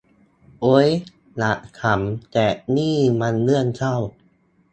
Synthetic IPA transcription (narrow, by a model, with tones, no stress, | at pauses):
ʔo˦˥j | la˨˦ʔkʰa˨˦mt̪ɛː˨˩niː˥˩ma˧nlɯ˥˩ənt͡ɕʰa˥˩w